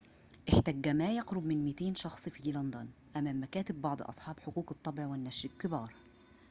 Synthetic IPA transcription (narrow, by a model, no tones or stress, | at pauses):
ʔɪħt̪æɡːæmæjɑqɾʊbmɪnmɪt̪eːnʃɑxsˤfiːlɑnd̪ɑnʔæmæːmːækæːt̪ɪbːɑʕd̪ˤʔɑ̰sˤħɑːbħʊquːqɨt̪ˤːɑbɪʕwɪnːæʃɾɪʔkɪbɑːɾˤ